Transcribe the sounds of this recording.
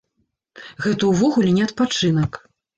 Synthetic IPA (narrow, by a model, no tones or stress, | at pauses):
ɣɛt̪uwvɔɣulʲɛnʲɛɐt̪̚pat͡ʂɨnɐk